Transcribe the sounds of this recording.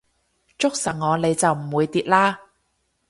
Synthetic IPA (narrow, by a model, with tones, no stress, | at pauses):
t͡ʃʊ˥k̚sɐ˨˩ŋŋɔː˨˧le˨˧jt͡sɐ˨wm̩˨˩wuː˨˧jt̪iː˧t̚laː˥